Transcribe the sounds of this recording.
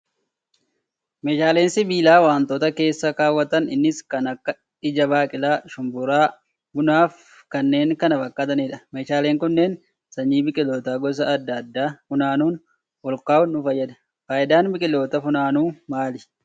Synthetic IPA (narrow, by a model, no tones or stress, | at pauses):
meːʃaːle̞ːnsɪbiːlaːwaːnt̪oːt̪ɐke̞ːsːɐkaːwːɐt̪ɐnɪnːɪskɐnɐkːɐ | ɪd͡ʒɐbaːkʼɪlaːʃʊmbʊɾaː | bʊnaːf | kɐnːe̞ːŋkɐnɐbɐkʼːɐd̪ɐniᶑɐmeːʃaːle̞ːŋkʊnːeːn | sɐɲːiːbɪkʼɪlo̞ːt̪aːɡɔs̬ɐːd̪ːɐd̪ːaːfʊnaːnuːn | wɔlkaːʊnʊfɐjːɐd̪ɐ̥ | fɐːjɪd̪aːnbɪkʼɪlo̞ːt̪ɐfʊnaːnuːmaːlɪ